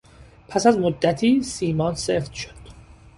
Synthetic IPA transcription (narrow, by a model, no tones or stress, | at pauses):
pʰæsæzmod̪ːæt̪ʰiːsiːmɒːnseft̪ʃod̪̥